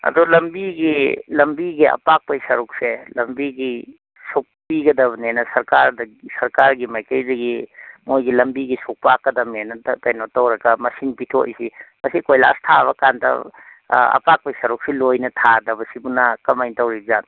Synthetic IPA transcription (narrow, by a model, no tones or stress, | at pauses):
ɐ̰dulɐmbiɡilɐmbiɡiɐ̰pak̚pɐjsɐɾuk̚selɐmbiɡi | suk̚piɡɐdɐβɐnenɐsɐɾkaɾdɐsɐɾkaɾɡimɐjkɐjdɐɡimojɡilɐmbiɡisuk̚pakːɐdɐmenɐttɐjnotɐwɾɐɡɐmɐsinpitʰo̰jsimɐsikojla̰stʰaβɐkandɐ̰ | ɐ̰pak̚pɐjsɐɾuk̚selojnɐtʰadɐbɐsibunɐkɐmajntɐwɾizan